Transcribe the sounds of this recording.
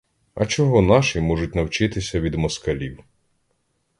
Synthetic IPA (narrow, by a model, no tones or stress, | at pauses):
ɐ̰t͡ʃɔɦɔnɑʃimɔʒʊt̚ʲnɐwt͡ʃɪt̪ɪsʲɐʋʲid̪mɔskɐlʲiw